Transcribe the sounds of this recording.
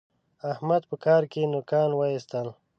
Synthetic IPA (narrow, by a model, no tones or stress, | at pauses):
ahmad̪̚pəkɑːɾkenʊkɑːnwaist̪əl